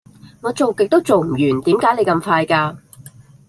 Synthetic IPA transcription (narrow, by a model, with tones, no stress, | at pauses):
ŋɔː˨˧t͡so˨wkɪ˨k̚t̪o˥wt͡so˨wm̩˨˩jyː˨˩nt̪iː˨˥mkaː˨˥jne˨˧jkɐ˧mfaː˧jkaː˧